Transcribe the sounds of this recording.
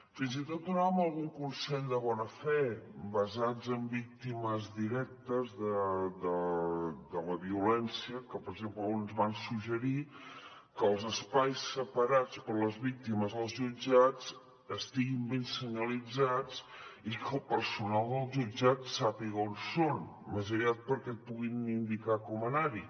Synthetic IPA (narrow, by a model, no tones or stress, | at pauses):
finzit̪ot̪̚d̪unaβəməlˠɣuŋkunsɛnd̪əβɔnəfɛbəzad͡zəmbik̚t̪iməzðiɾɛk̚t̪əzðəd̪ə | d̪ələβiulɛnsiəkəpəɾəɡʒempləonzβansuʒəɾi | kəːlˠzəspajsəpəɾat͡spəɾləzβik̚t̪iməzðəlˠzʒud͡ʒat͡s | əst̪iɣimbensəɲəlid͡zat͡sikəlˠpəɾsunalˠd̪əlˠʒud͡ʒat̪sapiɣəonson | məzəɾiat̪̚pəɾkɛt̪̚puɣinind̪ikakɔmənaɾi